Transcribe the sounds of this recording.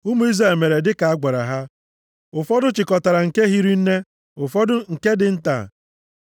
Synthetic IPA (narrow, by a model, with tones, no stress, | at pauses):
ʊ˦mu˨˦i˦za˦e˨me˨ɾe˨dɪ˦ka˨a˦ɡa˨ɾa̰˨ɦa˦ | ʊ˨fɔ˦dʊ˦t͡ʃɪ˨kɔ˨ta˨ɾa˨ŋ̩˨ke˦ɦi˦ɾi˦n̩˦ne˦ | ʊ˨fɔ˦dʊ˦ŋ̩˨ke˦dɪ˨n̩˦ta̰˨